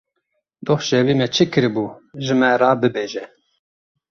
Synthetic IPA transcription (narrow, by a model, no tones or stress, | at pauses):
d̪oχʃɛwiːmɛt͡ʃʰɨkɨɾɨbuːʒɨmɛɾɑːbɨbeːʒɛ